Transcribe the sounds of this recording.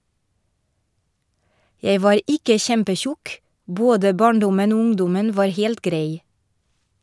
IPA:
ˈjæɪ ˈʋɑːɾ ˈʔɪkə ˈçɛmpəˌçʊk ˈboːdə ˈbɑːɳˌdʊmən ˈuː ˈʊŋdʊmən ˈʋɑːɾ ˈheːlt ˈɡɾæɪ

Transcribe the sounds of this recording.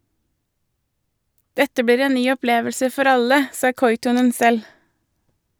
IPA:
ˈdɛtə ˈbiːɾ ˈeːn ˈnyː ɔˈpleːʋəlsə ˈfɔɾ ˈɑlə ˈsɑː ˈkɔʏtɔnən ˈsɛl

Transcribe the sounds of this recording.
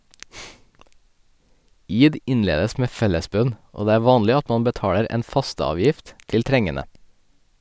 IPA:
ˈiːd ˈɪnˌleːdəs ˈmeː ˈfɛləˌsbœn ˈoː ˈdeː ˈæː ˈʋɑːnlɪ ˈɑt ˈmɑm bəˈtɑːɽəɾ ˈeːn ˈfɑstəˌɑːʋjɪft ˈtɪl ˈtɾɛŋənə

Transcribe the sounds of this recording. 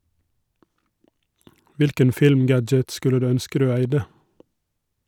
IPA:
ˈʋɪlkən ˈfɪlmˌɡæd͡ʒət ˈskʉlə ˈdʉː ˈœnskə ˈdʉː ˈæɪdə

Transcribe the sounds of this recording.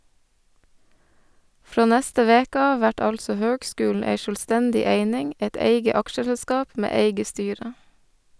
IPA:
ˈfɾoː ˈnæstə ˈʋeːkə ˈɑː ˈʋæʈ ˈɑlsɔ ˈhøːɡˌskʉːl̩ ˈæɪ ʃœlˈstændɪ ˈeɪnɪŋ ˈɛt ˈeɪɡə ˈɑkʃəsɛˌskɑːp ˈmeː ˈeɪɡə ˈstyːɾə

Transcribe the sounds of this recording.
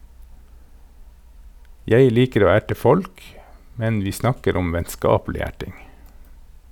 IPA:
ˈjeɪ ˈliːkəɾ ˈoː ˈæʈə ˈfɔlk ˈmɛn ˈʋiː ˈsnɑkəɾ ˈʊm ʋɛnˈskɑːpl̩ɪ ˈæʈɪŋ

